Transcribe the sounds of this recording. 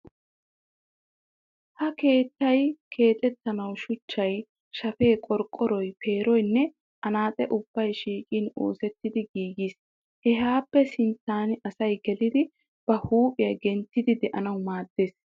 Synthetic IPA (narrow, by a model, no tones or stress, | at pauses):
hɐke̞ːt̪ːɐjkʰe̞ːt̪ʼɛt̪ːɐnɐwʃʊt͡ʃːɐj | ʃɐfe̞ːkʼɔɾkʼːɔɾɔjpʰe̞ːɾɔjnːɛ | ʔɐnaːt̪ʼɛʔʊb̥ːɐjʃiːkʼiːnoːsɛt̪ːɪd̪ɪɡiːɡis | hɛɦaːpːɛsɪnt͡sːaːnɐsɐjɡɛlɪd̪ɪ | b̥ɐhuːpʼɪjɐɡɛnt̪ːɪd̪ɪd̪ɛʔɐnɐwmaːd̪̥ːeːs